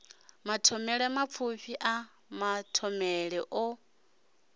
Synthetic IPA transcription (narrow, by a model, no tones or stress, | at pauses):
matʰɔmɛɺɛmap̪fʰuɸiʔa | matʰɔmɛɺɛʔɔ